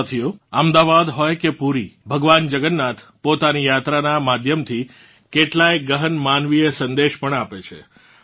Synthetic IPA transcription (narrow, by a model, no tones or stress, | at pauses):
t̪ʰijoəmd̪aʋad̪ɦɔjkepuɾibʱəɡʋand͡ʒəɡənːat̪ʰpot̪anijat̪ɾanamad̪ʱjəmt̪ʰi | keʈlaeɡəɦənmanʋiesənd̪eʃpəɳapet͡ʃʰḛ